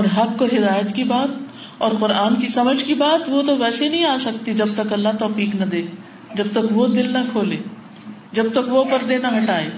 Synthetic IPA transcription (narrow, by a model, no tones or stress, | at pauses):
ɔːɾɦɐb̚koɦɪd̪aːjət̪kibaːt̪̚ | ɔːɾqʊɾaːnkisɐməd͡ʒʱkibaːt̪ʋot̪oʋɛːsenɐɦĩaːsɐkt̪id͡ʒɐb̚t̪ɐkɐlːaɦt̪ɔːfiːknɐd̪eː | d͡ʒɐb̚t̪ɐkʋod̪ɪlnɐkʰoːleː | d͡ʒɐb̚t̪ɐkʋopɐɾd̪eːnaɦɐʈaːeː